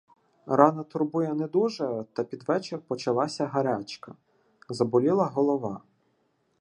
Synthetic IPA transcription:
rɑnɐt̪ʊrbujɛned̪uʒɛt̪ɐpʲid̪ʋɛt͡ʃerpɔt͡ʃɐlˠɑsʲɐɦɐɾʲat͡ʃkɐ | zɐbɔlʲilˠɐɦɔlˠɔʋɑ

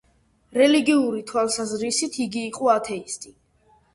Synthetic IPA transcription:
ɾɛliɡiuɾit̪ʰwalˠsazɾisit̪ʰiɡiːqʼɔat̪ʰɛist̪ʼi

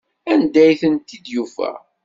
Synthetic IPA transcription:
ænd̪æjθənt̪ːid̪jufæ̰

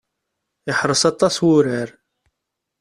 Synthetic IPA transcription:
ɪħɾˤəsɑt̪ˤːɑswʊɾəɾ

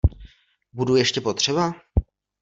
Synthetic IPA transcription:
budujɛʃcɛpo̞t̪r̝̥ɛba

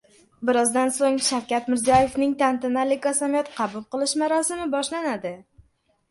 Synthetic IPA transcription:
bɪɾɒzd̪ansoŋʃawkʲat̪mɪɾzijɒje̞fnɪŋt̪ʰant̪ɪnalɪkɒsamijɒt̪qʰɑbʊlˠqɨlˠɪʃmaɾɒsɪmɪbɒʃlanad̪ɪ

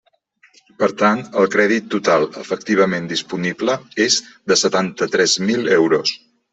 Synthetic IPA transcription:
pəɾt̪ant̪əlˠkɾɛðit̪ːut̪alˠə̰fək̚t̪iβ̞əmend̪ispunibləezd̪əsət̪ant̪ət̪ɾɛzmilɛwɾos

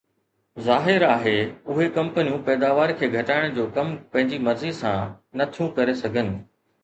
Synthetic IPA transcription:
zaːɦɪɾaːɦeːʊɦekɐ̃mpənijũpɛːd̪aːʋaːɾkʰeːɡʱɐʈaːɪɽ̃d͡ʑoːkɐmpɐ̃ɦɪ̃ɲd͡ʑimɐɾzisã̰ | nɐt̪ʰijũkɐɾesɐɡʱənɪ̆

